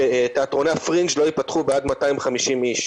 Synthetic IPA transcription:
eteatʁo̞nafʁind͡ʒlo̞ipatχubeadmataimχamiʃimiʃ

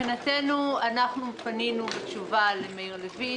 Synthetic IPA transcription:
inate̞nuanaχnupaninubet͡ʃuvalemeiʁlevi

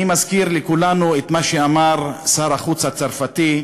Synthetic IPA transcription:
imazkiɾlekulanuet̪maʃeamaʁsaɾaχut͡shat͡saʁfat̪i

